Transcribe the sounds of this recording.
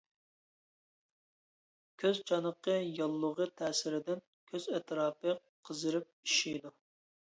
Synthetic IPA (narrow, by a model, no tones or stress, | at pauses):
kʲʰøzt͡ʃʰɑnəqːəjɑlˠːʊʁət̪ʰɛːsɪɾɪd̪ɪn | kʲʰøzɛt̪ʰɾɑːpɨ | qʰəzɨɾɪp̚iʃijd̪u